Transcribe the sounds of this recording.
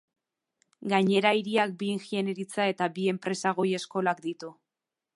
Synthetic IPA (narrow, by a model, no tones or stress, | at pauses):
ɡaɲe̞ɾaiɾiak̚biːŋʝieneɾit͡sae̞t̪abie̞mpɾe̞saɣ̞o̞je̞sko̞lakd̪it̪u